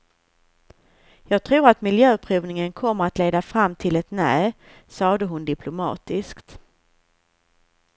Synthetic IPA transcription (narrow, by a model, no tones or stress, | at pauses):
jɑːɡ̚t̪ʰɾuːɾat̪mɪljøːpʰɾuːvnɪŋənkʰɔmːəɾat̪leːd̪afɾamːt̪ʰɪlɛt̪nɛː | sɑːd̪əɦʊnd̪ɪpʰlʊmɑ̰ːt̪ɪskt̪